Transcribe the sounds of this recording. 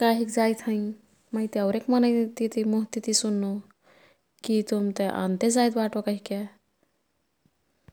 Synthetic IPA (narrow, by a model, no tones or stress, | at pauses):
kaːɦikd͡ʒaːjt̪ʰəĩ | məjt̪eɐʊɾekmənəjt̪it̪imuɦt̪it̪isunːu | kit̪umt̪eʔã̰nt̪ed͡zaːjt̪baːʈokəɦike